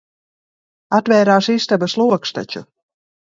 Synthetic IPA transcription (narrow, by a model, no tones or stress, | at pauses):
at̪vʲɛːɾaːʃist̪abaslˠuɔkst̪a̰t͡ʃu